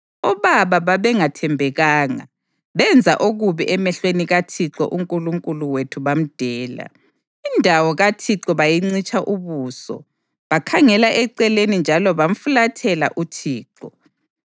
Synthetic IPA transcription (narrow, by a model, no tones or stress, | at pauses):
ɔβaβaβaβɛŋatʰɛmbʱɛɣaːŋa̰ | βɛnd͡zʱa̰ʔoɣuβiʔɛmɛɬweniɣatʰiǁɔ̰ʔuŋkʼuluŋkʼuluwetʰuβam̩d̥ʱɛːla̰ | indʱawɔɣatʰiǁɔβajiŋ͡ǀit͡ʃʼaʔuβuːsɔ̰ | βakʰaŋɛlaʔɛǀɛlenind͡ʒʱalɔβam̩fulatʰɛla̰ʔutʰiːǁɔ